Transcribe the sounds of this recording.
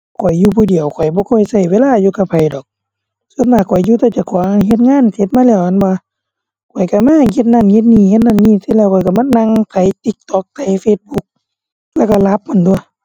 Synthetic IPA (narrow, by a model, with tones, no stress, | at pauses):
kʰɔ˨˩jːuː˧pʰuː˧˨di˨əwkʰɔ˨˩jbɔː˧˦kʰɔː˧˩˨jsa˧˩jweː˧˨laː˧˥˨juː˧ka˧p̚ʰa˨jdɔː˨˩k̚ | so˧˨nbaː˧˩kʰɔ˨˩juː˧t̪ɛː˧˩t͡ɕa˧˩kʰɔː˨˦ŋa˧˨ɦe˧t̪̚ŋaː˧˥˨nkʰe˧t̪̚maː˧˥˨lɛː˧˩˨wʔa˧˨nbɔ˧˦ | kʰɔ˨˩jka˧˩maː˧˥˨he˧˦t̪̚na˧˨nhe˧˦t̪̚niː˧˩he˧t̪̚na˧˥˨nːiː˧˨sɯ˧˨lɛː˧˩˨kʰɔ˨˩˦jka˧˩˨ma˧˥˨nna˧˨ŋsa˨˧jt̪i˧˦k̚t̪ɔː˧k̚t̪ʰa˧˩jfeː˧t̪̚bu˧˦k̚ | lɛː˧˩˨ka˧˩la˧p̚ma˧˥˨ndu˧˩˨j